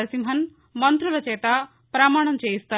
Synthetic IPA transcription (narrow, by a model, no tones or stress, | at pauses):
ɾsimɦɐn | mʌnt̪ɾulɐt͡ʃet̪a | pɾamaːɽ̃ɐnt͡ʃeist̪ɐ